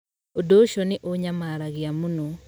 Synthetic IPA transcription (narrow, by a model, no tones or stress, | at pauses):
odoʃɔnɪʔoɲamaɾaɣiamunɔ